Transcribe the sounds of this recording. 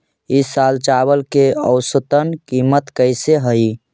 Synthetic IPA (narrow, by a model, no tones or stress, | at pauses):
isalt͡ʃabəlkeə̰ʊsət̪ənkimət̪kəɪseɦəi